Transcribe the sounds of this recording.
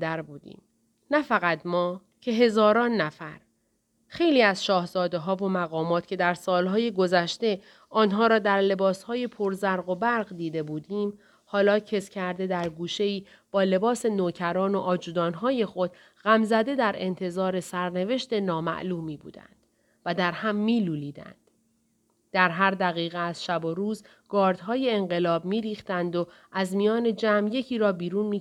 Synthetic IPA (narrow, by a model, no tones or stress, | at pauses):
d̪æɾbuːd̪ḭːm | næfæɣæt̪mɒː | cʰe̞ɦe̞zɒːɾɒːnːæfæɾ | xe̞jliːæzʃɒːhzɒːd̪e̞ɦɒːvo̞mæɣɒːmɒːt̪ʰcʰe̞d̪æɾsɒːlɦɒːjeɡo̞zæʃt̪e̞ | ɒːnɦɒːɾɒːd̪æɾle̞bɒːshɒːje̞pʰoɾzæɾɣo̞bæɾɢd̪iːd̪e̞buːd̪iːm | hɒːlɒːcʰe̞scʰæɾd̪e̞d̪æɾɡuːʃe̞iː | b̥ɒːle̞bɒːse̞noːcʰæɾɒːno̞ʔɒːd͡ʒuːd̪ɒːnɦɒːje̞xo̞d̪̥ | ɣæmzæd̪e̞d̪æɾe̞nt̪ʰe̞zɒːɾe̞sæɾne̞ve̞ʃt̪e̞nɒːmæ̰ʔluːmiːbṵːd̪æ̰nd̪̥ | væd̪æɾhæmːiːluːliːd̪æ̰nd̪̥ | d̪̥æɾɦæɾd̪æɣiːɣeæz̥ʃæbo̞ɾuːz | ɡ̥ɒːɾd̪ɦɒːje̞ːŋɢe̞lɒːbmiːɾiːxt̪ænd̪o | ʔæzmijɒːne̞d͡ʒæːmje̞cʰiːɾɒːbiːɾuːnmiː